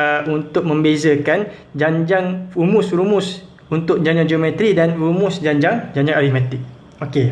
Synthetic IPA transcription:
unt̪ʊk̚mə̃mbezəkan | d͡ʒaɲd͡ʒaŋumʊsɾumʊs | unt̪ʊʔ̚d͡ʒaɲd͡ʒaŋd͡ʒeomɛt̪ɾidanɾumʊsd͡ʒaɲd͡ʒaŋd͡ʒaɲd͡ʒãŋaɾihmat̪ɪk̚ | oke

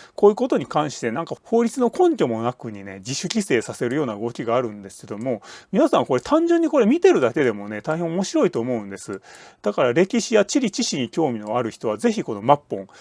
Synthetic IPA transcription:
koːjɯ̟ko̞t̪o̞ɲ̟ikãɰ̃ɕi̥t̪e̞nãŋkaho̞ːɾʲit͡sɨno̞kõ̞ɲkʲo̞mo̞nakɯ̟ɲ̟ine̞d͡ʑiɕɨkʲise̞ːsase̞ɾɯjo̞ːnaɯ̟ɡo̞kʲiɡaːɾɯ̟̃nd̪e̞sɨ̥ke̞d̪o̞mo̞mʲinasãŋko̞ɾe̞t̪ʰãɲ̟d͡ʑɨ̃ɲ̟ːiko̞ɾe̞mʲit̪e̞ɾɯ̟d̪ake̞d̪e̞mo̞ne̞t̪aiɦẽomo̞ɕiɾo̞it̪o̞ːmo̞ɯ̟̃nd̪e̞sɨd̪̥akaɾaɾe̞kʲiɕijat͡ɕiɾʲit͡ɕiɕiɲ̟ikʲo̞ːmʲino̞aɾɯ̟çi̥t̪o̞βaze̞çiko̞no̞mapːõ̞ŋ

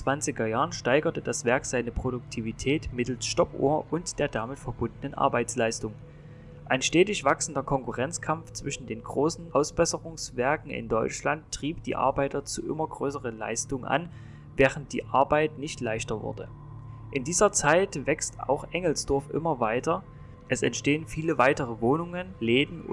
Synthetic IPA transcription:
t͡sv̥ant͡sɪɡɐjaːʁənʃtaɪɡɐtəd̥asv̥ɛɐkz̥aɪnəpʁ̥odʊk̚tʰiːvitʰɛːtmɪtl̩sʃtɔpʔo̰ːɐʔʊntd̥eːɐdamɪtfɛɐbʊndənənʔa̰ɐbaɪt͡slaɪstʊŋ | ʔaɪnʃtɛːtɪçv̥aksn̩dɐkʰɔŋkʊʁɛnt͡skʰamft͡sv̥ɪʃn̩deːnɡʁoːsn̩ʔaʊsb̥ɛsəʁʊŋsv̥ɛɐkŋ̩ɪ̰ndɔʏt͡ʃlantːʁ̥iːp̚d̥ḭːʔa̰ɐbaɪtɐt͡suʔɪ̰mɐɡʁøːsəʁənla̰ɪstʊŋʔa̰n | vɛːʁənt̚d̥ḭːʔa̰ɐbaɪtnɪçtlaɪçtɐvʊ̰ɐdə̰ | ʔɪndiːzɐt͡saɪtv̥ɛksta̰ʊxʔɛŋl̩sd̥ɔɐfʔɪ̰mɐvaɪtɐ | ʔɛsɛntʃteːənfiːləvaɪtəʁəvoːnʊŋənleːdn̩

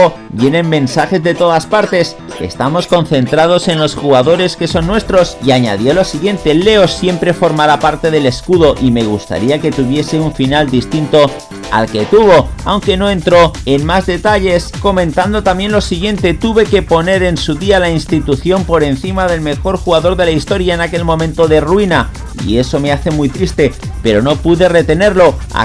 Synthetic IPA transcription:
bje̞nemːẽ̞nsaxe̞zðe̞t̪o̞ðaspaɾt̪e̞s | e̞̰st̪amo̞sko̞n̟θe̞nt̪ɾað̞o̞se̞nlo̞sxuɣaðo̞ɾe̞ske̞so̞nːwe̞st̪ɾo̞siaɲa̰ðjo̞lo̞siɣje̞nt̪e̞le̞osje̞mpɾe̞fo̞ɾmaɾapaɾt̪e̞ðe̞le̞skuðo̞ʔime̞ɣ̞ust̪a̰ɾiake̞t̪uβje̞seuɱfinald̪ist̪int̪o̞ | a̰lke̞t̪uβ̞o̞awŋke̞no̞ẽ̞nt̪ɾo̞enmazðe̞t̪aʎe̞sko̞mẽ̞nt̪and̪o̞t̪amje̞nlosiɣje̞nt̪e̞t̪uβe̞ke̞po̞ne̞ɾe̞nsuðialainst̪it̪uθjo̞mpo̞ɾe̞nθimaðe̞lme̞xo̞ɾxuɣaðo̞ɾðe̞laist̪o̞ɾjaenake̞lmõ̞mẽ̞nt̪o̞ðe̞rwina | ḭe̞so̞me̞aθe̞mujt̪ɾist̪e̞pe̞ɾo̞no̞puðe̞re̞t̪e̞ne̞ɾlo̞a̰

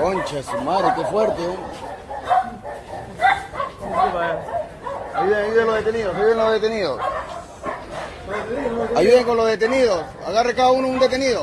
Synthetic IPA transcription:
kont͡ʃasmaɾekefweɾt̪eo | iβaja | ajuðeŋajuðelozðet̪eniðosajuðenlozðet̪eniðos | aʝuðeŋkonlozðet̪eniðos | a̰ɣarlekaðaunound̪e̞t̪e̞niðo

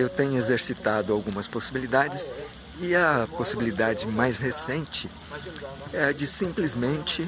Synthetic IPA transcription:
ewt̪ẽɲʊezeɾsit̪ad̪ʊawɡũmɐsposibilid̪ad͡ʒɪs | ɪɐposibilid̪ad͡ʒɪmajshesẽnt͡ʃɪ | ɛɐd͡ʒɪsĩplizmẽnt͡ʃɪ

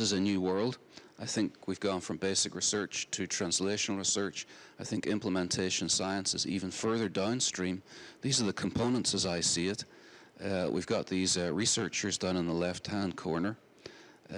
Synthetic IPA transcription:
ɨzɨnjʉwɜ˞lˠd | aɪθɪ̃ŋkwivɡɔ̃nfɹʌ̃mbeɪsɨkɹɨsɜ˞t͡ʃtʰɨtʰɹ̥æ̃nsleʃnl̩ˠɹɪsɜ˞t͡ʃaɪθɪ̃ŋkɪ̃mplˠəmɛ̃ntʰeɪʃə̃nsaɪə̃nsɨzḭvə̃nfɜ˞ðə˞dãʊ̃nstɹ̥ĩmðizə˞ðəkʰə̃m̩pʰõʊ̃nə̃ntsəzaɪsiɪt | wʔḭvɡɑʔ̪̚ðizɹisɜ˞t͡ʃə˞zdʌ̃nə̃nðəlɛft̚hæ̃ʊ̃nkʰɔɹnə˞

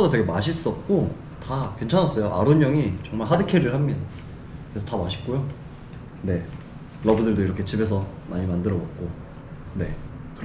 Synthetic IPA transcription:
ʌdotweɡemaɕʰis͈ʌt̚k͈o | takwe̞nt͡ɕʰanɦas͈ʌjoʔa̰ɾoɲːʌŋit͡ɕʌŋmaɭɦadɯkʰeɾɯɭɦamɲida | kɯɾesʰʌtamaɕʰi̥p̚k͈ojo | ne̞ | ɾʌbudɯɭdoiɾʌkʰe̞t͡ɕibe̞s̬ʰʌmaɲimandɯɾʌbot̚k͈o | ne̞kɯɾ

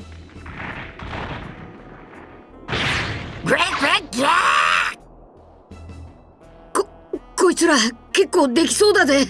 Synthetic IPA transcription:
ɡ̥ɹeɪt̚ɡ̥ɹet̚jæ | ko | koit͡sɨɾake̞kːoːd̪e̞kʲi̥so̞ːd̪aze

